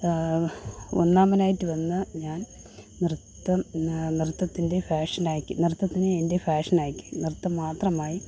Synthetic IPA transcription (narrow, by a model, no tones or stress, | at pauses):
o̰nːaːmɐnaːjitːɨʋɐnːɨɲaːn | nirɨt̪ːɐnirɨt̪ːɐt̪ːinde̞faːʂɐnaːjkʲːunirɨt̪ːɐt̪ːinɨende̞faːʂɐnaːjkʲːu̥nirɨt̪ːɐmːaːt̪rɐmaːji